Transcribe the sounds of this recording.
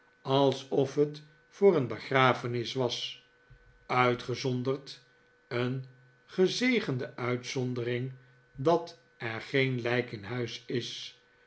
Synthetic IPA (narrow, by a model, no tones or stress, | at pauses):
ɑlˠsɔfɦət | fʊːɾənbəχraːfənɪsʋɑs | œɥtχəzɔndərt | ən | χəzejχəndəœɥtsɔndərɪŋ | dɑt | ɛɹχejnlɛjkɪnɦœɥsɪs